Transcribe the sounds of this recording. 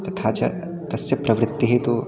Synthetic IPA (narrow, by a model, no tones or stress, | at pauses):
t̪ɐt̪ʰaːt͡ʃɐ̰ | t̪ɐsjɐpɾʔɐʋɾɪt̪ːiɦeːt̪u